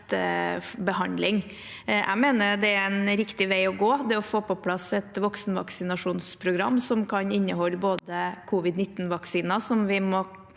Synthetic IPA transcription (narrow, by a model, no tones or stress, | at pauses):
t̪ | bəɦɑnd̪lɪŋ | ʔæ̰meːnəɾd̪ɛæɾɛnɾɪkt̪ɪʋæɪɔɡoːd̪ɛɔfoːpɔpʰlɑsɛt̪ʋɔksnʋɑ̰ksɪnɑʂuːnspʰɾʊɡɾɑ̰mːsɔmkʰɑnɪnːəɦɔlːboːd̪əkʰuːʋɪd̪nɪt̪ːnʋɑksiːnɑsɔmʋɪmɔ